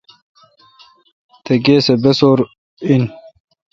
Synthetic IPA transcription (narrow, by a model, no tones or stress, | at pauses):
t̪ʰeɡeːsebesoːɾ | in